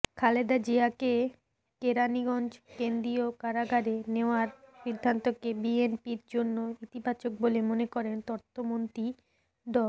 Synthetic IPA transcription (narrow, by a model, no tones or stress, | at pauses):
kʰaled̪ad͡ʑiake | keɾaniɡɔnd͡ʑkend̪ɾiokaɾaɡaɾeneoaɾʃid̪ʱːant̪okebienpiɾd͡ʑonːoit̪ibat͡ɕok̚bolemonekɔɾent̪ɔɾt̪ʰːomont̪ɾi | ɖɔ